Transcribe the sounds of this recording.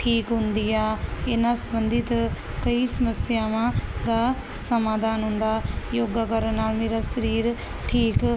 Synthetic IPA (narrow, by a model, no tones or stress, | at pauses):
ʈʰiːkɦʊ̃nd̪iːaːɪnãːsəbənd̪ɪt̪ | kəiːsəməsɪjaːʋãːd̪aː | səmaːd̪ʱaːnɦʊ̃nd̪aːjoːɡaːkəɾənːaːlmeːɾaːsəɾiːɾ | ʈʰiːk